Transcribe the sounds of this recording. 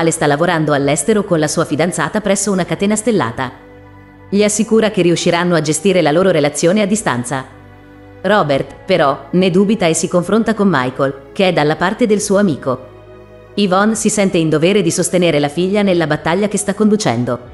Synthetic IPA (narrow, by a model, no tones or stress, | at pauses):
lest̪alːavoɾand̪oalːɛst̪eɾokonlasuːafid̪ant̪saːt̪apɾɛsːounakat̪ɛːnast̪elːa̰ːt̪a | ʎiasːikuːɾak̟eriuʃːiɾanːoad͡ʒest̪iːɾelaloːɾoɾelat̪sːjoːnead̪ːist̪a̰nt̪sa | rɔbert̪peɾɔned̪uːbit̪aesːikoɱfɾont̪akomːa̰jkolk̟eɛd̪alːapart̪ed̪elsuːoamiːko | ivɔnsisɛnt̪eind̪ovɛːɾed̪isost̪eneːɾelafiʎːanelːabat̪ːaʎːakest̪akːond̪ut͡ʃɛ̰nd̪o